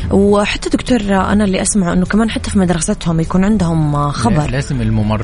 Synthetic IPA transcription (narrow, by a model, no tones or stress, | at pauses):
wħat̪ːad̪ʊk̚t̪uːɾˤʔa̰nalːiʔasmaʕuʔɪnːʊkamaːnħat̪ːafimad̪ɾˤɑsat̪hʊmjakuːnʕɪnd̪hʊmxɑbɑɾˤlaːzɪmɪlmʊmɑrˤ